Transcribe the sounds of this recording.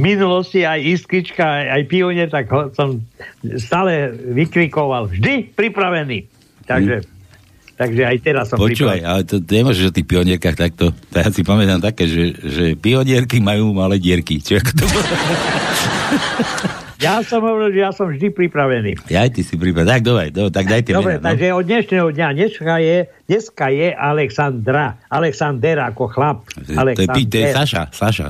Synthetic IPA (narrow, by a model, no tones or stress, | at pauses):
minulɔsciajist̪kit͡ʃkajajpiɔɲɛɾt̪aɡɦɔsɔmst̪aːlɛʋikɾikɔʋalvʒd̪ipɾipɾaʋɛniː | t̪aɡʒɛ | t̪aɡʒɛajt̪ɛɾasːɔmpɔɾit͡ʃuːʋajalɛt̪ɔt̪ɲɛmɔʒɛɔt̪iːxpiɔɲɪɛɾkaxt̪ak̚t̪ɔt̪ajasipamɛt̪amt̪akɛːʒɛʒɛpiɔɲɪɛɾkimajuːmalɛːɟɪɛɾkit͡ʃɛakɔ̥t̪ɔbɔlɔ | jasɔmɦɔʋɾɛlʒɛjasɔmvʒd̪ipɾipɾaʋɛnḭːjajt̪isipɾipɾat̪aɡ̚d̪ɔbɾɛjd̪ɔbɾɛt̪aɡ̚d̪ajt̪ɛɔɛɾɛaɡʒɛɔd̪ɲɛʃnɛɦɔd̪ɲaɲɛskajɛ | ɲɛskajɛʔalɛksand̪ɾaalɛksand̪ɛɾakɔxlap̚alɛɔjɛpit̪ɔjɛsaʃa̰saʃa̰